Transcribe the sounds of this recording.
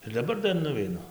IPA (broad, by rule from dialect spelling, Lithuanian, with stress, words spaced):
ɪr dɐˈbɐr ˈdɐr nʊʋʲɛɪˈnʊ